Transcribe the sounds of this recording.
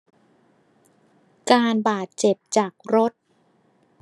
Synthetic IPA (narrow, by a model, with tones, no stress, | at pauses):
kaː˧nbaː˨˩t̪̚t͡ɕe˨˩p̚t͡ɕaː˨˩k̚ɾo˦˥t̪̚